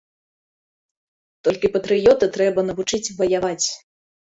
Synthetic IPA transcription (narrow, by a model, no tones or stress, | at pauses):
t̪ɔlʲkʲipɐt̪ɾɨjɔt̪ɨt̪ɾɛbɐnɐvut͡ʂɨt͡sʲvɐjavat͡sʲ